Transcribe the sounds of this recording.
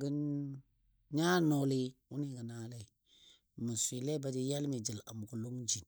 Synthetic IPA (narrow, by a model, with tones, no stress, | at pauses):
ɡə˦n | ɲa˦no˨li˦u˦ni˦ɡə˨na˦le˦i˨ | mu˨sʷi˨le˦ba˨di˦ja˦lmi˨d͡ʒi˨la̰˨m˨ku˨lu˦ŋd͡ʒi˨n